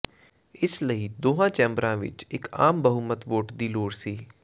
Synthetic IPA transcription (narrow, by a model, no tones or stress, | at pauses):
ɪsləiːd̪oːɦãːt͡ʃɛ̃ːmbɾãːʋɪ̰t͡ʃɪka̰ːmbəɦʊmət̪ʋoːʈd̪iːloːɽsiː